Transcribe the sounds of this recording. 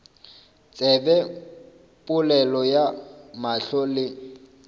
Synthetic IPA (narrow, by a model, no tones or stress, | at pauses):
t͡sʼɛbɛ | pʼʊlɛlɔjamaɬɔlɪ